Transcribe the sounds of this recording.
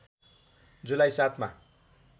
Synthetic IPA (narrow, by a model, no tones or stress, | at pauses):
d͡zulajsat̪ʰma̰